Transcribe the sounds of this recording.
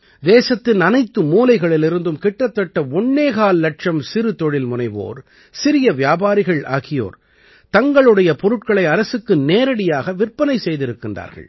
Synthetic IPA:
d̪eːsɐt̪ːɪnɐnɐɪt̪ːɯmuːlɐɪɣɐɭɪlɪɾɯnd̪ɯmkɪʈːɐt̪ːɐʈːɐɔɳːeːɣaːlːɐʈ̚ʂɐmsɪɾɯt̪ɔɻɪlmʊnɐɪʋo̰ːɾ | sɪɾɪjɐʋjaːbaːɾɪɣɐɭʔa̰ːɣɪjo̰ːɾ | t̪ɐŋɡɐɭɯɽɐjɐpɔɾɯʈ̚kɐɭɐɪɐɾɐsɯkːɯneːɾɐɽɪjaːɣɐʋɪrpːɐnɐɪsɛjðɪɾɯkːɪndra̰ːɾɣɐ̰ɭ

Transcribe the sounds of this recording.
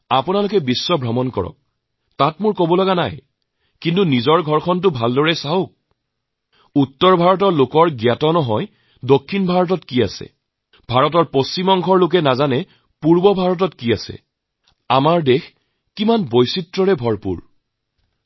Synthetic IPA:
apʊnalʊkɛbisːɔbɹɔmɔnkɔ̰ɹɔ̰k̚ | tatmʊɹkobɔlɔɡana̰j | kintunizɔɹɡʱɔɹkʰɔnt̬ʊbʱaldɔɹɛsaɦok̚ | utːɔɹbʱaɹɔt̬ɔɹlokɔɹɡjatɔnɔɦɔj | dokʰːinbʱaɹɔt̬ɔtkiasɛ̰ | b̥ʱaɹɔtɔɹpost͡ʃimɔŋɡʰʱɔɹlʊk̬ɛnazanɛ | puɹbɔbʱaɹɔt̬ɔtkiasɛ̰ | amaɹdex | kimanbojsitɹɔɹɛbʱɔɹpṵɹ

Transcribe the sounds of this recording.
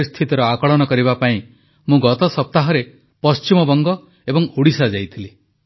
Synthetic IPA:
ist̪ʰit̪ɔɾɔakɔɭɔñɔkɔɾibapaĩ | mũɡɔt̪ɔsɔp̚t̪aɦɔɾe | pɔst͡ʃimɔbɔŋɡɔ | ebɔŋuɽisad͡ʒajt̪ʰili

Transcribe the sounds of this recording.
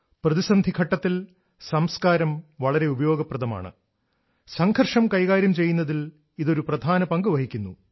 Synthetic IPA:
prɐðisɐnd̪ʱikʰɐʈːɐt̪ːil | sɐmskaːɾɐmʋɐɭɐɾe̞ubɐjo̞ːɡɐprɐðɐma̰ːɳɨ̰ | sɐŋɡʰʱɐrʂɐmkɐjkaːɾjɐmt͡ɕe̞jːunːɐðil | iðo̞ɾuprɐd̪ʱaːnɐpɐŋɡɨʋɐɦikʲːunːu

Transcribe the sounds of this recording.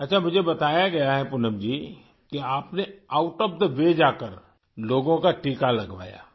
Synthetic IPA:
ɐtːʃʰamʊd͡ʒʱebɐt̪aːjaɡɐjaɦɛpʊnəmd͡ʒiː | keaːpneaːʊʈɔp̚d̪əʋeːd͡ʒaːkəɾ | loːɡõkaʈiːkalɐɡʋa̰ːja̰ː

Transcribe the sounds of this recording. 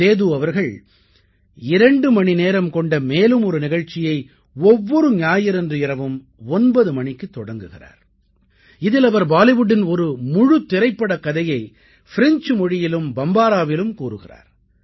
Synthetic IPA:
eːðuɐʋɐɾɣɐɭ | ɪɾɐɳɖɯmɐɳineːɾɐmkɔɳɖɐmeːlɯmɔɾɯnɪɣɐɻt͡ʃːɪjɐɪ | ɔʋːɔɾɯɲaːjɪɾɛndrɯɪɾɐʋɯm | ɔnbɐðɯmɐɳɪkːɯt̪ːɔɽɐŋɡɯɣɪ̰ra̰ːɾ | ɪðɪlɐʋɐɾbaːlɪʋʊɽɪnɔɾɯmʊɻɯt̪ːɪɾɐɪpːɐɽɐkːɐðɐjɐɪ | fɪɾɪnt͡ʃmɔɻɪjɪlɯmbɐmbaːɾaːʋɪlɯmkuːɾɯɣɪra̰ːɾ

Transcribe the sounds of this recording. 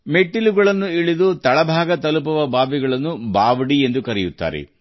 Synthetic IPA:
meʈːiluɡɐɭɐnːuiɭid̪ut̪ɐɭɐbʱaːɡɐt̪ɐlupɐʋɐbʱaːbiɡɐɭɐnːubaːʋɐɽiend̪ukɐɾɛjut̪ːa̰ːɾḛ

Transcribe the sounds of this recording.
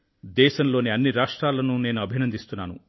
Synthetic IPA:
d̪ɛːʃɐmloːniɐnːiɾaːʂʈɾaːlɐnune̞ːnuɐbʱinɐnd̪ist̪unːaːnṵ

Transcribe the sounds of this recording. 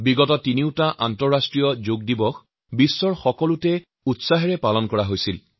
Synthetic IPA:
biɡɔtɔtiniwtaʔantɔɹastɹijɔzoɡ̚dibɔx | bisːɔɹxɔkɔlutɛ | utsaɦɛɹɛpalɔnkɔɹaɦojsil

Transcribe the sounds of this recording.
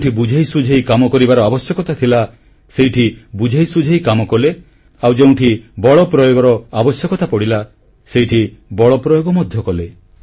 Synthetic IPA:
ʈʰibud͡ʒʱejsud͡ʒʱejkamɔkɔɾibaɾɔabɔsjɔkɔt̪at̪ʰila | sejʈʰibud͡ʒʱejsud͡ʒʱejkamɔkɔle | awd͡ʒeũʈʰibɔɭɔpɾɔjoɡɔɾɔabɔsjɔkɔt̪apɔɽila | sejʈʰibɔɭɔpɾɔjoɡɔmɔd̪ʱjɔkɔle

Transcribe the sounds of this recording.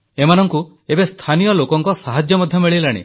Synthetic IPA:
emanɔŋku | ebest̪ʰanijɔlokɔŋkɔsaɦad͡ʒjɔmɔd̪ʱjɔmiɭilaɽ̃ḛ

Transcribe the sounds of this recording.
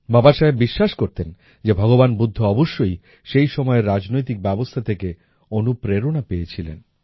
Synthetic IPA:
bɔbaʃaebiʃːaʃkoɾt̪en | d͡ʑebʱɔɡobanbud̪ʱːoɔboʃːoj | ʃejʃɔmɔeɾːad͡ʑnojt̪̬ik̚bɛbost̪ʰat̪ʰeke | onupɾeɾonapeet͡ɕʰilḛn

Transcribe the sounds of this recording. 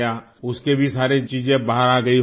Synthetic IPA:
jaː | ʊskebʱisaːɾet͡ʃiːd͡ʒẽbaɦəɾaːɡɐi

